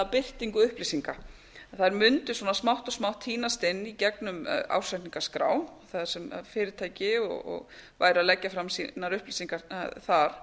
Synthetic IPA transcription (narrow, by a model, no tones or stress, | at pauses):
awpɪr̥t̪iŋkʏʏhplisiŋka | θaðɛɾmʏnt̪ʏswɔːnasmawht̪ɔsmawht̪hiːnast̪ɪnːicɛknʏma̰wsajht̪niŋkaskɾa̰ːwθað̥sɛmfɪːɾɪɾ̥t̪ʰaːjcɪɔ̰ɣɔ̰ɣva̰ːjɾʏaðlɛcːafɾamsinaɾʏhplisiŋkaθaɾ̥